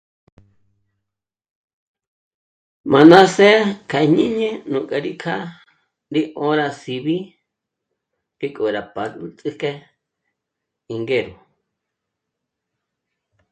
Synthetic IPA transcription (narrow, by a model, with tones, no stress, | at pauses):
mã˨nã˦se˦kʰa˧ɲĩ˦ɲẽ˦nũ˨kʼa˧ɾi˦kʰa˦ | ɾi˦ʔõ˦ɾa˧si˧βi˦ | ki˦kʼo˨ɾa˨pa˨lu˦t͡sʼɨ˦ke˦ | i˧ŋɡe˦˨ɾu˨